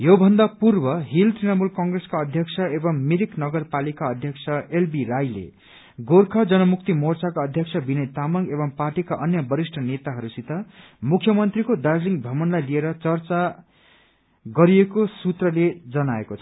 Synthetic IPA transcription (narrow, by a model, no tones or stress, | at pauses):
jobʱʌnd̪apurbʌɦilt̪rinʌmulkʌŋɡreskaʌd̪ʱjʌkt͡sʰʌebʌŋmiɾiknʌɡʌrpalikaʌd̪ʱjʌkt͡sʰʌelbirajlḛ | ɡorkʰʌd͡zʌnʌmuk̚t̪imort͡sakaʌd̪ʱjʌk̚sʰʌbinʌjt̪amʌŋɡebʌŋparʈikaʔʌnjʌbʌɾisʈʰʌnet̪aɦʌɾusit̪ʌ | mukʰjʌmʌnt̪rikod̪arliŋɡbʱʌmʌnlajlieɾʌt͡sʌrt͡sa | ɡʌɾiekosut̪rʌled͡zʌnaekot͡sʰʌ̥